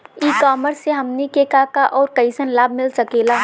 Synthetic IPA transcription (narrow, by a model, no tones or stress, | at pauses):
iːkɔːməɾsːeɦɐmnikeːkakaʔɔːɾkɐɪsənlaːb̚ʱmɪlsɐkeːlaː